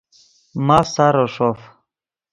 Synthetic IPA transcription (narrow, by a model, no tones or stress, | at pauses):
masaɾoʂof